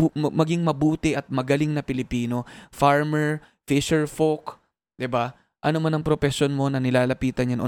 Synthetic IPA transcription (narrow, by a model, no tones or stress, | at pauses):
mɐɡiŋmɐbuːt̪ɪʔɐt̪̚mɐɡɐlɪŋnɐpɪlɪpiːno̞faɹmɛɹ | fɪʃɛɹfok | d̪̥ɪba | ʔɐnomɐnɐŋpɾopɛsjonmo̞nɐnɪlaːlɐpiːt̪ɐnɐnʔo